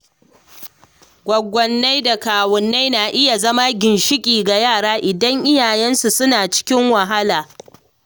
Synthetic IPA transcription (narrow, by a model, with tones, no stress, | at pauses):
ɡʷɔ˨ɡʷːɔ˨nːa˦jda˨kaː˨wɔ˨nːa˦jnaː˨ʔɪ˦ja˨zɐ˦ma˦ɡʲɪ˨nʃɪ˦kʲʼiː˨ɡa˨jaː˦˨ɽaː˦ʔɪ˨dɐ˦ŋʔɪ˦jaː˨jɛ˦nsu˨sʊ˦naː˨t͡ʃɪ̥˦kʲɪ˦ŋwɐ˨ɦa˦laː˨